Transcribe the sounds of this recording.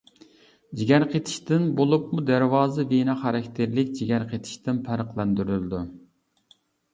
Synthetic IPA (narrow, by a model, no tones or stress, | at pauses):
d͡ʒiɡʲæɾqʰet̪ʰɪ̥ʃt̪ɪnbolˠup̚mud̪æɾwɑːzɨvenɑχɑɾɛkʲt̪ʰɪɾlɪkʲd͡ʒiɡʲæɾqʰet̪ʰɪ̥ʃt̪ɪnpʰæɾəqlˠɛnd̪yɾylɪd̪u